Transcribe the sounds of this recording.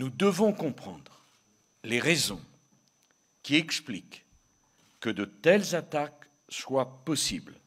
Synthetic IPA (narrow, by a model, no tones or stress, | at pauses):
nud̪əvɔ̃kɔ̃pχɑ̰̃d̪ʁ | leʁɛzɔ̃ | kʲiɛksplikː | əd̪ət̪ɛlzat̪ak | swapɔsibl